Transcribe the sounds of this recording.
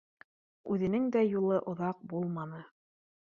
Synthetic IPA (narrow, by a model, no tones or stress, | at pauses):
ʉðɘ̆nɘŋd̪æjulˠɤʔŏðɑq̚bulˠmɑnɤ